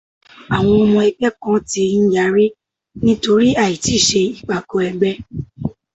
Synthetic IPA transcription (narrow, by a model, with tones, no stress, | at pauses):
a˨w̃ɔ̃˧ɔ˧mɔ̃˧ɛ˧k͡pɛ˦kɔ̃˦ti˧˦n̩˦ja˨˦ɾi˦ | nĩ˦to˧ɾi˦a˦˨i˨ti˨˦˨ʃe˧i˨k͡pa˨ko˧˦ɛ˧ɡ͡bɛ˦